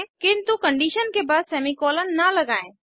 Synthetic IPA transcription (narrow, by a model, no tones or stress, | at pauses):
kɪ̃nt̪ukə̃ɳɖiːʃənkebaːd̪sɛːmikɔːlənːɐlɐɡaːẽː